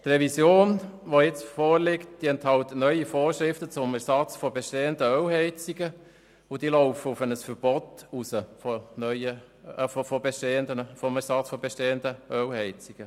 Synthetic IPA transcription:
t̪rɛvisjoːnʋojɪt͡sfɔːɾlɪkt̚d̪̥iːɛnthɑlt̪ənœʏifoːɾʃɾɪftət͡sʊmɛɾsɑt͡sfɔbeʃteːəndəœwhɛɪt͡siɡə | ʊd̥iːlɔʊfəʊfənəsfəɾb̥ɔtusəfɔnœʏjə | fɔfɔbeʃteːəndənfɔmɛɾsɑt͡sfɔbeʃteːəndəœwhɛɪt͡siɡ̥ə

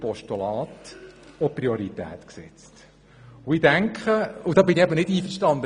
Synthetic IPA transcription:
pɔʃtulɑːt̪ɔpriɔɾit̪ɛ̰ːt̪ksɛ̰t͡st | ʊɪdæŋkχəʊd̪ɑːbɪniɛbənɪdiːfəɾʃtɑnd̪ə

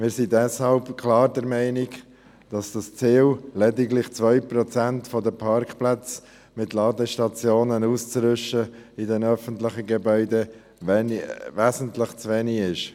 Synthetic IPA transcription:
mɪːɾsidɛshɑlpkʰlɑːɾdɛɾmɛɪnɪk | d̥ɑsd̥ɑst͡siːllɛdɪɡlɪχt͡sʋœʏpɾɔt͡sæntfɔdəpʰɑɾkχplæt͡s | mɪtlɑːdəʃtɑt͡sjoːnənuːst͡sɾʏʃəidɛnœfəntlɪχəɡɛbœʏdɛ | nvæːzən̩tlɪχt͡svɛniɪʃ

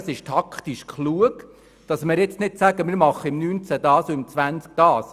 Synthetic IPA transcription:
sɪʃtʰɑkʰχtiʃkʰχluəɡ | d̥ɑsmɪɾjɛt͡stnɪtsæɡəmɪɾmɑχːəɪmnyːnt͡sæd̥ɑːsoɪmt͡sʋænt͡sk̚d̥ɑːs

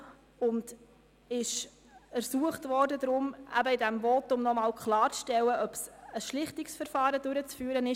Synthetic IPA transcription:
ʊnd | ɪʃ | æɾsuəχtvɔrdəd̪ɾʊmʔæ̰bəɪdɛmvɔtʊmnɔmɑːlkχlɑːɾt͡sʃtɛlːəʔœb̥səsʃlɪχtɪksfəɾfɑːɾəd̥ʉɾət͡sfyːəɾənɪ

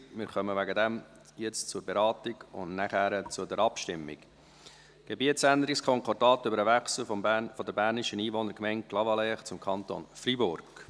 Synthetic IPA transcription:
mɪɾχœməʋæɡədɛm | jɛt͡st͡sʊɾbeɾɑːtɪɡʊ̰nnæχæɾət͡sʊdɛɾɑpʃtɪmːɪ̰k | ɡ̥ebiətsænd̪əɾɪkskʰɔŋkʰɔdɑːt̪ʏbəɾəvæχsl̩fɔfɔd̪əɾbæːɾnɪʃəniːʋɔnəɾkmɛɪnt̚klɑvɑlɛχt͡sʊmkʰɑnt̪o̰ːnfribʊrɡ̥

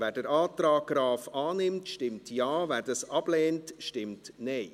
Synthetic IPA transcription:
vɛːdəɾaːtɾaːɡ̥ɾaːfaːnɪmtʃtɪmtjaːvæːdɑsɑb̥lɛːntʃtɪmtnɛɪ

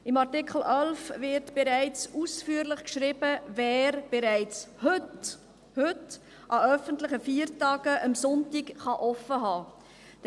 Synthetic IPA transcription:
ɪmɑʁtɪkχl̩œlfvɪɾtb̥eɾæɪt͡susfyːəɾlɪχkʃɾiːb̥əvɛːɾb̥ɛɾæɪt͡sht | hʉt | ʔɑœfəntləχəfiːɾtɑːɡ̥əʔəmsɔntɪkχɑʔɔfəɦɑː

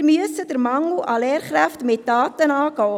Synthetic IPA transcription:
myəsəd̥əɾmɑŋuʔɑlɛːɾχɾæftmɪt̚d̥ɑːtənɑːɡɔː

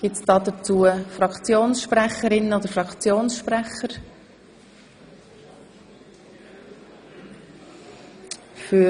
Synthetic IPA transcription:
ɡ̥ɪtsd̥ɑːd̪ət͡suəfɾɑkt͡sjoːnsʃpɾɛχəɾɪnːəod̪əɾfɾʁɑkt͡sjoːnsʃprɛχəɾ | fy

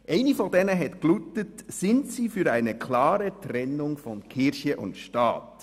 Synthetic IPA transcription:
ʔɛɪnifɔdɛnəɦɛtklutətsɪntsiːfyɾæɪnəkʰlɑːɾətɾɛnːʊŋfɔnkʰɪɾçəʔʊ̰ntʃtɑ̰ːt

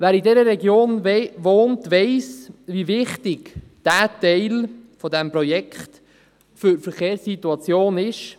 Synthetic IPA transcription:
væːɾidɛɾəɾɛɡjoːnʋoːntʋɛɪsʋivɪχtɪɡd̥æːtɛɪlfɔdɛmpɾɔjɛkχt | fʏɾfəɾχeːɾsːituɑt͡sjoːnɪʃ

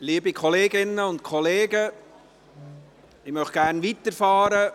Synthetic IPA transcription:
liːbikʰɔleːɡɪnːəʊntkʰɔleːɡə | ɪmœχɡ̥æːɾnʋitəɾfɑːɾə

